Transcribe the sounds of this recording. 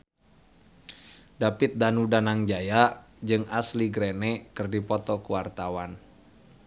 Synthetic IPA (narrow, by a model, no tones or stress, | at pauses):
dapiɪt̪̚danudanaŋd͡ʒajad͡ʒɨŋasliɡɾenɛkɨrdipɔt̪ɔkuwart̪awan